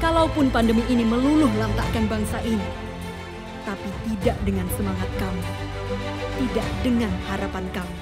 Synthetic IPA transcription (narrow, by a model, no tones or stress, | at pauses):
kalaupʊnpandəmiʔːniməlulʊhlant̪aʔkanbaŋsaʔini | t̪apit̪idaʔdəŋansəmaŋat̪̚kamu | t̪idaʔdəŋanhaɾapankamu